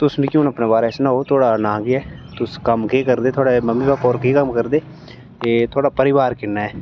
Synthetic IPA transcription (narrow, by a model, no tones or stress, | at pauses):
t̪ʊsnə̃kjũːnəpneːbaːɾeːsnãːɦoːt̪ʰoːɽaːnãːɡɪɛːt̪ʊskəmkeːkəɾd̪eːt̪ʰoːɽeməmːiːbaːpɔːɾkiːkəmkəɾd̪eː | eːt̪ʰoːɽaːpəɾɪʋaːɾkɪnːaːɛː